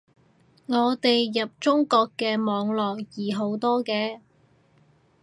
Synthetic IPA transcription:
ŋɔː˨˧t̪e˨jːɐ˨p̚t͡ʃʊ˥ŋkɔː˧kːɛː˧mɔː˨˧ŋlɔː˨k̚jiː˨˩ɦo˨˥wt̪ɔː˥kɛː˧

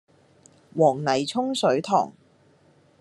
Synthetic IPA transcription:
wɔː˨˩ŋnɐ˨˩jt͡sʰʊ˥ŋsɵ˨˥ɥt̪ʰɔ̰ː˨˩ŋ

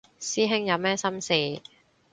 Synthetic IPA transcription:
siː˥ɦɪ˥ŋjɐ˨˧wmɛː˥sɐ˥msiː˨˩

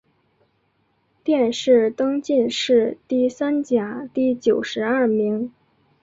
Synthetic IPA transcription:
t̪jɛ˥˧nʂɻ̩˥˩t̪ɤ˥ŋt͡ɕi˥˧nʂɻ̩˥˧t̪i˥˩sa˥nt͡ɕja˨˩˦t̪i˥˩t͡ɕjo˨˩ʊʂɻ̩˧˥a˥˩mi˧˥ŋ

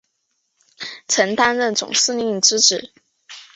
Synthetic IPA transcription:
ʈ͡ʂʰə˧˥nt̪a˥nɻə˥˩nt͡sʊ̰˨˩ŋsɹ̩˥˧ni˥˩ŋʈ͡ʂɻ̩˥ʈ͡ʂ̩˨˩˦

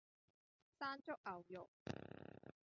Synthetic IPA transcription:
saː˥nt͡ʃʊ˥k̚ʔɐ˨wjʊ˨k̚

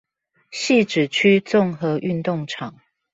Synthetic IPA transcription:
ɕi˥˨ʈ͡ʂɻ̩˨˩t͡ɕʰy˦t͡sʊ˥˨ŋxɤ˨˧˦ʔy˥˧nt̪ʊ˥˨ŋʈ͡ʂʰɑ˨˩ŋ

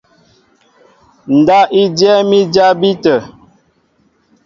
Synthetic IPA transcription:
n̩˨da˦ʔi˦djɛ˦mi˦d͡ʒa˦bi˦tə˨

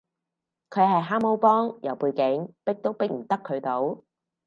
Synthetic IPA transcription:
kʰɵ˨˧ɥɦɐ˨jɦaː˥mo˥wpɔː˥ŋjɐ˨˩wpuː˧jkɪ˨˥ŋpɪ˥k̚t̪o˥wpɪ˥k̚m̩˨˩t̪ɐ˥kʰːɵ˨˧t̪o˨˥w

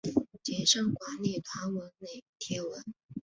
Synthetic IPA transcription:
t͡ɕjɛ˨˩ʂɑ˥˩ŋkwa˧˥nli˨˩t̪ʰwa˧˥nwə˧˥nne˨˩ɪt̪ʰjɛ˧˥wə˧˥n

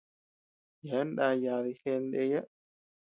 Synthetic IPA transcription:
ja˨˦nɗã˧ja˨ði˧xe˧nd̪e˧ja˦

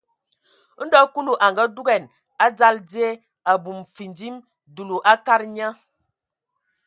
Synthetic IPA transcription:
n̩˦dɔ˦ku˦lu˨ʔa˨ŋɡa˦du˦ɡɛ˨n | a˦d͡za˦ld͡zi˦e˦ | a˨bu˨mfi˨ndi˦m | du˨lu˨ʔa˦ka˦ɾɲa˦

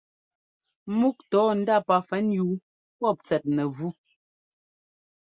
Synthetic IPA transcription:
mu˦k̚tɔː˨˦n̩˦da˦˨pa˨fɛ˨˦njuː˨˦ | pɔ˦˨p̚t͡sɛ˨t̚nɛ˨vu˦

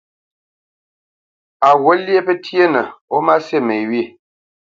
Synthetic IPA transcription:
a˨wo˦lje˦pə˦tje˦nə˨o˦ma˦se˦˨me˨wi˦˨

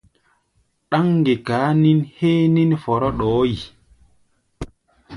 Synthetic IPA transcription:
ɗa˦ŋːɡɛ˨kaː˨˦ni˦nheː˦ni˦nfɔ˨ɾɔ˦ɗɔː˦ji˨

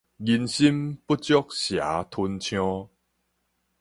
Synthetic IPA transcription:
ɡi˧nɕi˦mpu˦t̚t͡ɕjɔ˦k̚ɕja̰˨˦t̪ʰu˧nt͡ɕʰjɔ̃˦

